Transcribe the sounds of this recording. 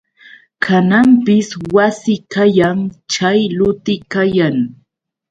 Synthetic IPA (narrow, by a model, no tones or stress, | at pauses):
kʰanampɪswasɪkajaŋt͡ʃajlʊt̪ɪkajaŋ